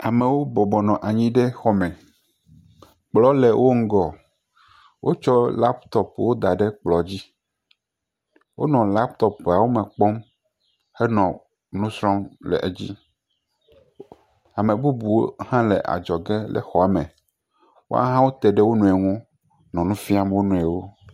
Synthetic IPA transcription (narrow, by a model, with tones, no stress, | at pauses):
a˨mẽ˨wo˦bɔ˨bɔ˨nɔ̃˨ʔa˨ɲĩ˦ɖe˦xɔ˦mɛ̃˨ | k͡plɔ˦le˨wo˦ŋ̩˦ɡɔ˨ | wʔo˦t͡ʃɔ˦la˦pt̪ɔ˦pwo˦d̪a˨ɖe˦k͡plɔ˨d͡ʑi˦ | wʔo̰˦nɔ̃˨la˦pt̪ɔ˦pa˨wo˦mẽ˨k͡pɔ˦m | xe˦nɔ̃˨ | nũ˦sɾɔ̃˦mlɛ̰˨ʔe˨d͡ʑḭ˦ | a˨mẽ˨bu˦bu˨wo˦hã˦lḛ˨ʔa̰˨d͡ʒɔ˨ɡe˦lɛ̰˨xɔ˨a˨mẽ˨ | wo̰˦a̰˦ɦã˦wo˦t̪ɛ˨ɖe˦wo˦nũ˦˨ɛ˨ŋũ˦ | nɔ̃˨nũ˦fi˦a˦mwo˦nũ˦˨ɛ˨wo˦